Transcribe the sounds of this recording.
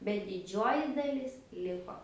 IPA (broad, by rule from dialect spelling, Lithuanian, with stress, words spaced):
bʲɛt dʲɪˈd͡ʒʲoːjɪ dɐˈlʲɪs ˈlʲɪkoː